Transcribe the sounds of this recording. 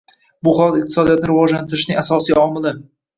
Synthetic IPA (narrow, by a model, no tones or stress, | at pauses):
bʊχɒlˠt̪ɪq̚t̪ʰɪsɒd̪ijɒt̪nɪɾɪvɒd͡ʒlant̪ɪɾɪʃnɪŋasɒsijɒmɪlɪ